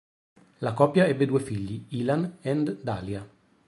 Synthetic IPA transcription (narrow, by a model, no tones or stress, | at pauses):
lakɔpjaɛbːed̪uːefiʎːiiːlanɛnd̪d̪aːlja